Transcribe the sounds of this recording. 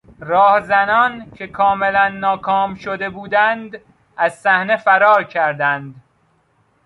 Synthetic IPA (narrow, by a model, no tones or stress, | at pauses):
rɒːhzænɒːncʰe̞kʰɒːmelænːɒːkʰɒːmʃod̪e̞buːd̪ænd̪ | æzsæhne̞fæɾɒːɾcʰæɾd̪ænd̪